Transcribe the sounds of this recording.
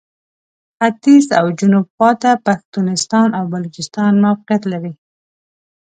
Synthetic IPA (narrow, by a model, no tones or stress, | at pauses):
xat̪iza̰wd͡ʒʊnubxwɑt̪apaxt̪unɪst̪ɑnawbalut͡ʃɪst̪ɑnmafɪqjat̪laɾi